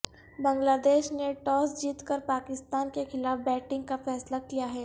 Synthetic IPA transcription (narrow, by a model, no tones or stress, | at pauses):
bɐ̃ŋɡlaːd̪eːʃneʈɔːsd͡ʒiːt̪kəɾpaːkɪst̪aːnkexɪlaːfbɛːʈɪ̃ŋɡkafɛːslakijaɦɛː